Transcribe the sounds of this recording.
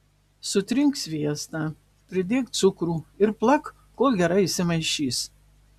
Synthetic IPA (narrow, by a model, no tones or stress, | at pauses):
sʊt̪ʲɾʲɪŋksʋʲiɛst̪ɑː | pʲɾʲɪd̪ʲeːk̚t̪t̪sʊkɾuːɪɾplˠɐk | koːlˠɡʲɛɾɐɪisʲɪmɐɪʃʲiːs